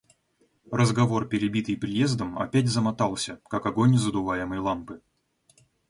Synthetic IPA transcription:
rəzɡɐvo̞rpʲɪɾʲɪbʲit̪ɨjpɾʲɪje̞zd̪əmɐ̰pʲætʲzəmɐt̪ɑlˠsʲəkakɐɡo̞nʲzəd̪ʊvajɪməjlˠampɨ

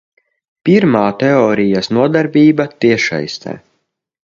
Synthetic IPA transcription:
pʲiɾmaːt̪ɛɔːɾijasnuɔd̪aɾbʲiːbat̪iɛʃa̰jst̪ɛ̰ː

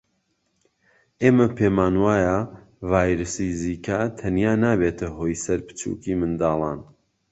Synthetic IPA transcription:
ʔeːmɐpʰeːmaːnwaːja | vaːjɾɨsiziːkʰat̪ʰɐnjaːnaːbeːt̪ʰɐɦoːjsɐɾpɨ̥t͡ʃṵːkiːmɨnd̪aːlˠɑ̰ːn

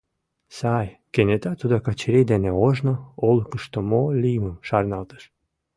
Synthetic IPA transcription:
sajkenʲet̪at̪ud̪akat͡ɕiɾejd̪ɛneoʒnoolˠkəʃt̪omolʲiməmʃarnalˠt̪ə̥ʃ

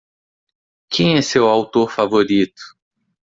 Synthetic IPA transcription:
kẽj̃ɛsewawt̪oɾfavoɾit̪ʊ̥

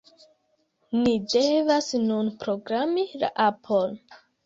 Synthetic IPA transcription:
nidevasnunpɾoɡɾamila̰ʔapʰon

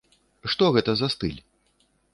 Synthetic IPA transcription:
ʂt̪ɔɣɛt̪ɐzast̪ɨlʲ

